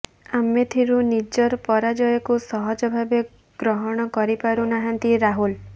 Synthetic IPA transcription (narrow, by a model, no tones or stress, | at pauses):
amet̪ʰiɾunid͡ʒɔɾpɔɾad͡ʒɔjɔkusɔɦɔd͡ʒɔbʱabe | ɡ̥ɾɔɦɔɽ̃ɔkɔɾipaɾunaɦant̪iɾaɦul